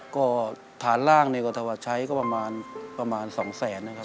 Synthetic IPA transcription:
kɔː˥˩ | t̪ʰaː˩˦nlaː˥˩ŋna˧ka˧t̪ʰa˧wa˧t͡ɕʰa˦˥jkɔː˥˩pɾa˧maː˧npɾa˧maː˧nsɔː˩˦ŋsɛː˩˦nːa˧kʰa˦˥

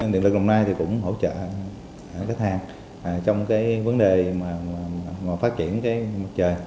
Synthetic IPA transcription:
nḭ˧˨nlɨ˨˩k̚ɗə˨˩wŋ͡mnaː˧jt̪ʰi˨˩kʊ̰˧˥wŋ͡mɦo̰˧˩wt͡ɕə̰ː˧˨ | kaː˨˦jt̪ʰaː˨˩ŋː˨˩ | t͡ɕɔ˧wŋ͡mkaː˨˦jvə˨˦nɗe˨˩maː˨˩mː˨˩˨maː˨˩faː˦˥t̚t͡ɕḭ˧˩˨ənkaː˨˦jma˨˩t̚t͡ɕəː˨˩j

